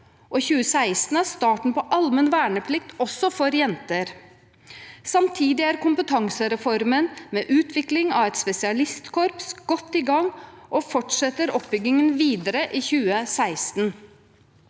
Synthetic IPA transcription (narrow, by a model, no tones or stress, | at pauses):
ʔɔçʉːəsæɪst̪n̩æɾst̪ɑːʈɳ̩pɔʔɑlmənʋæːɳəpʰlɪk̚t̪ɔsːɔfɔɾjɛnt̪əɾ | sɑmt̪ʰiːd̪ɪæɾkʊmpət̪ʰɑŋsəɾɛfɔɾmənmeːʔʉːt̪ʰʋɪklɪŋɑʋɛt̪spɛsɪɑlɪst̪kʰɔɾpsɡ̥ɔt̪ːiːɡɑŋʔɔːfɔʈʂɛt̪əɾɔpbʏɡɪŋənʋiːd̪əɾəʔiːçʉːəsæɪst̪n